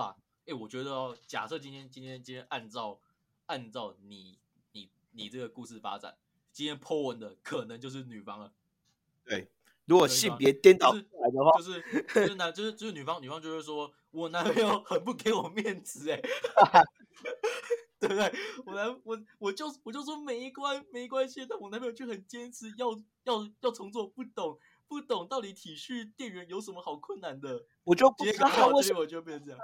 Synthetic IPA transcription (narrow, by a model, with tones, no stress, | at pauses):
a̰˥˩ | ɛ˥˩wɔ˨˩t͡ɕɥɛ˧˥d̪ə˧˨ɔ˨˩t͡ɕja̰˨˩sɤ˥˨t͡ɕi˥nt̪ʰjɛ˥nt͡ɕi˥nt̪ʰjɛ˥nt͡ɕi˥nt̪ʰjɛ˧˥nʔa˥˧nt͡sɑ˥˨˩ʊ | a˥˧nt͡sɑ˥˩ʊni˨˩˦ | ni˨˩ | ni˨˩ʈ͡ʂɤ˥˩ɡə˩ku˥˧ʂɻ̩˥˩fa̰˥ʈ͡ʂa̰˨˩˦n | t͡ɕi˥nt̪ʰjɛ˥npʰɔ˥wə˧˥nd̪ə˨kʰə˨˩nə˧˦ŋt͡ɕjo˥˧ʊʂ̬ɻ̩˥˩ny˨˩fɑ˥ŋə˨ | t̪we˥˩ɪ | ɻu˧˥kwɔ˨˥ɕi˥˨˩ŋpjɛ˧˦t̪jɛ˥nt̪ɑ˨˩ʊ˥˨˥la˧˦ɪd̪ə˧xwa˥˧ʊʂ̬ɻ̩˥˩˥ʊ˥˩a˧˦˥t͡ɕo˥˧ʊʂɻ̩˥˧t͡ɕʂɻ̩˥˩ny˨˩fɑ˥ŋny˨˩fɑ˦ŋt͡ɕjo˥˧ʊʂɻ̩˥˩ʂwɔ˦˥ | wɔ˨˩na˧˥me˧˥jo˨˩ʊxə˨˩npu˥˩ke˧˥ɪwɔ˨˩mjɛ˥˩nt͡sɹ̩˧˥˦e˨˧ | t̪we˥˧ɪt̪we˥˩ɪwɔ˨˩na˧˥nwɔ˨˩wɔ˨˩t͡ɕjo˥˧ʊ˩wɔ˨˩t͡ɕjo˥˩ʊʂwɔ˥me˨˩ɪi˥˩kwa˥nme˧ɪi˧˥kwa˥nɕi˥t̪a˥˩wɔ˨˩na˧˥me˥jo˨˩t͡ɕʰxə˨˩nt͡ɕjɛ˥nsʰɹ̩˧˥jɑ˥˧ʊ | jɑ˥˩ʊjɑ˥˩ʊt͡sʰɤ˧˥ŋt͡swɔ˥˧pu˥˩t̪ʊ˨˩˦ŋ | pu˥˩t̪o˨˩ŋt̪ɑ˥˩ʊt̪i˧˥t̪ʰi˨˩ɕy˥˧t̪jɛ˥˩nɻə˧˥njo˧˥ʊʂə˧˥nmə˧xɑ˨˩ʊkʰwə˥˩nna˧˦nd̪ə˧ | wɔ˨˩t͡ɕo˥ko˥˩wɔ˨˩t͡ɕo˧jt͡s̩˥˧˩j